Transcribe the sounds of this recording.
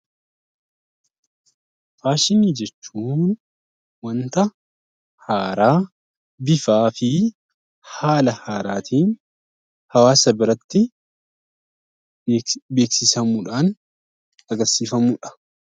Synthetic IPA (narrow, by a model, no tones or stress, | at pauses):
faːʃɪniːd͡ʒɛt͡ʃːuːn | wɐnt̪ɐ | haːɾaː | bɪfaːfɪ | haːlɐhaːɾaːt̪ʰiːn | hɐwaːsɐbɪɾɐt̪ːɪ | be̞ːksɪsɐmuːᶑaːn | ɐɡɐɾsiːfɐmuːᶑɐ̥